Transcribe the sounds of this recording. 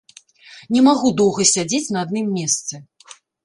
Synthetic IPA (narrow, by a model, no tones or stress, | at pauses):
nʲɛmaɣud̪ɔwɣɐsʲad͡zʲet͡sʲnɐad̪nɨmːʲɛst̪sɛ